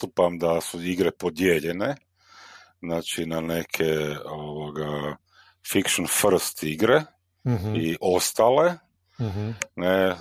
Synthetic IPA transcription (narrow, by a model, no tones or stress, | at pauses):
t̪upamd̪asuiɡɾepod̪jeʎene̞ | znaːt͡ʃinane̞kʰeoʋoɡa | fikʃonfr̩st̪iɡɾe | iʔo̞st̪aːle | ne